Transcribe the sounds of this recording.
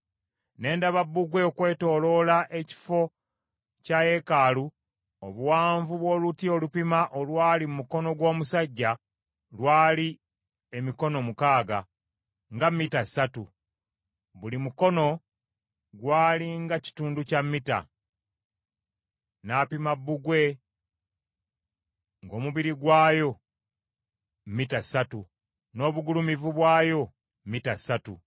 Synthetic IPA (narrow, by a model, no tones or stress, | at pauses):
ne̞ːndaβabːuɡweokwe̞ːto̞ːlo̞laʔe̞ci̥fo̞ | caje̞kaːlu | oβuwaːɱvuβwo̞ːlutio̞lupimaʔo̞lwaːlimumuko̞no̞ɡwo̞ːmusaɟːa | lwaːli | emiko̞no̞mukaːɡa̰ | ŋɡamːitasatu | βulimuko̞no̞ | ɡwaːliŋɡaci̥tuːnducamːita̰ | naːpimabːuɡwe̞ | ŋɡo̞ːmuβiɾiɡwaːjo̞ | mmːitasatu | no̞ːβuɡulumivuβwaːjo̞ | mitasatu